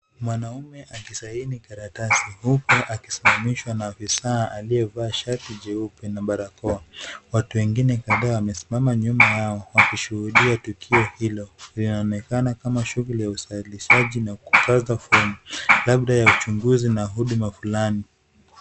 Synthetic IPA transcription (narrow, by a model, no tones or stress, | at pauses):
mwanaumɛʔakisahinikaɾatasihupɔʔaki̥simamiʃwanaːfisaːʔaliɛvaːʃaɾtiʄɛupɛnaɓaɾakɔawatuwɛŋɡinɛkaðaːwamɛsi̥mamaɲumajaɔwakiʃuhuɗiatukʰiɔhilɔlinaːnɛkanakamaʃuɣulijausailiʃaʄinaku̥kʰazafɔnilaɓɗajaut͡ʃuŋɡuzinaɦuɗumafulani